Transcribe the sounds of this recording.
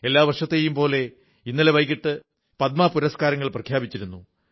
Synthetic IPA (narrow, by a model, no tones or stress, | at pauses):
e̞lːaːʋɐrʂɐt̪ːejumpo̞ːle̞ | inːileʋɐjkiʈːɨ | pɐt̪̚mapuɾɐskaːɾɐŋːɐɭprɐkʰjaːbit͡ɕːiɾunːu